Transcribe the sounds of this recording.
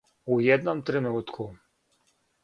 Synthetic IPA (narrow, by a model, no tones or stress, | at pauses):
ujɛd̪nɔmt̪ɾɛnut̪kʰu